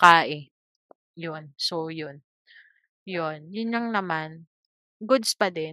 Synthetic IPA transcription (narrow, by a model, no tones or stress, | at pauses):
kaːʔɪ | jonsojʊn | jonjʊnjɐŋnɐman | ɡʊd̪spɐd̪ɛn